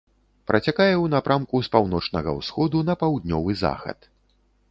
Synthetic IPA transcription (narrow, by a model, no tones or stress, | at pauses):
pɾʔɐt͡sʲakajɛwnapɾʔamkuspawnɔt͡ʂnɐɣɐ̰wsxɔd̪unɐpawd̪̚nʲɔvɨza̰xɐ̰t̪